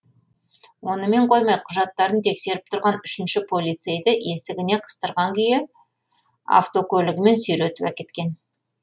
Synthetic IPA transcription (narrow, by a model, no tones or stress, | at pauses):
wo̞nəme̞ɴqʰo̞jmɑjqʰʊʒɑt̪ːɑɾənt̪ʰekse̞ɾɪp̚t̪ʰʊɾʁɑnʏʃɪnʃɪpʰolʲˠijt̪sejd̪ɪʔe̞sɪɡʲɪne̞qʰə̥st̪əɾʁɑŋkʲʰʏjɪ | a̰ft̪o̞kʲʰɵlɪɡʲɪme̞nsʏjɾet̪ɪwækʲe̞t̪kʲe̞n